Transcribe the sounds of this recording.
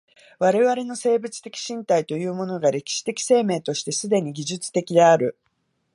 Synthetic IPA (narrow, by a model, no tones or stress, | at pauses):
β̞aɾe̞βaɾe̞no̞se̞ːbɯ̟t͡sɨ̥t̪e̞kʲi̥ɕĩnt̪ait̪o̞jɯ̟ːmo̞no̞ɡaɾe̞kʲi̥ɕi̥t̪e̞kʲi̥se̞ːme̞ːt̪o̞ɕi̥t̪e̞sɨd̪e̞ɲ̟iɡʲiʑɨt͡sɨ̥t̪e̞kʲid̪e̞aɾɯ̟